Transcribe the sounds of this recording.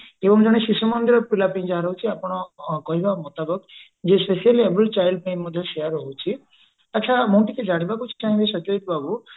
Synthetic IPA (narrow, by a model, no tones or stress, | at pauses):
ebɔŋd͡ʒɔɽ̃eʃiʃumɔnd̪iɾɔpɾilapĩj̃d͡ʒaɦaɾɔɦut͡ʃʰiapɔɽ̃ɔkɔɦibamɔt̪abɔk | d͡ʒespesialiebəlt͡ʃajlɖ̚pẽj̃mːɔd̪ʱjɔʃejaɾɦowt͡ʃʰi | at͡ʃʰamõʈiked͡ʒaɽ̃ibakut͡ʃʰi̥t͡ʃãĩbesɔt͡ʃoit̪babu